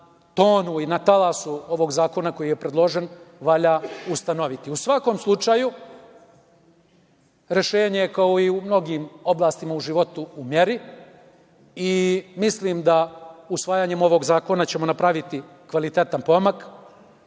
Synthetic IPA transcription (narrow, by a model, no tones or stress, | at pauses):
t̪o̞ːnuinat̪alˠasuo̞ʋo̞ɡzaːko̞nako̞jije̞pɾe̞d̪lˠo̞ʒe̞nʋaʎaːust̪ano̞ʋit̪iusʋako̞mslˠut͡ʂaju | ɾe̞ʃe̞ːɲejekaoiumno̞ɡiːmo̞blaːst̪imauʒiʋo̞t̪uːmjeɾi | imisliːmd̪ausʋaːjaːɲe̞mo̞ʋo̞ːɡzaːko̞nat͡ɕe̞mo̞napɾaʋit̪i | kʋalit̪e̞t̪anpo̞mak